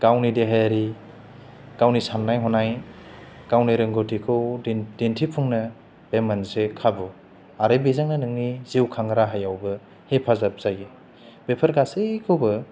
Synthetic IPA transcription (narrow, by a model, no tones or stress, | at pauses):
ɡ̥awnideɦajaɾi | ɡ̥awnisanːajɦɔnaj | ɡ̥awniɾɯŋɡotʰikʰɯwdentʰipʰuŋnɯ | b̥emansekʰabu | aɾebezaŋnanɯŋniziwkʰaŋɾaɦajawbɯ | hepʰazap̚z̥aje | bepʰɐɾɡasekʰɯwbɯ